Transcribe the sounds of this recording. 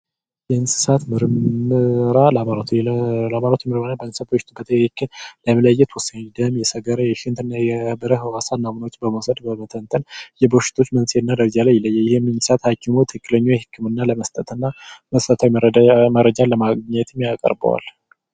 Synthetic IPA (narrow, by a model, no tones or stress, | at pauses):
jɛɨnsɨ̥sat̪mɨɾɨmɨɾalamaɾat̪ɛlamaɾat̪ʰumɨɾmɨnabəɨnssat̪̚bəʃɪt̪ʰubət̪ʰəɨkʰːɨnləmələjːɛt̪ʰwʊsad̪əmjɛsəɡəɾəjɛʃɪnt̪ɨnːajɛhbəɾəɦɨwasanːamɨnwot͡ʃːbəməwsəd̪bəmət̪ʰənt̪ʰənjɛbəwʃɪ̥t̪ʰo̞t͡ʃːmənseɨnːad̪əɾd͡ʒaləjɛləjːɛjɪhɪmːɨnsɨ̥sat̪hakːɪmot̪ʰɨkːɨləɲːojɛhɨkːɨmɨnːaləməst̪ʼət̪ʰɨnːaməst̪ʼət̪ʰawiməɾəd͡ʒaləmaɡɲɛt̪ʰɨmjakʼə̰ɾbə̰wa̰l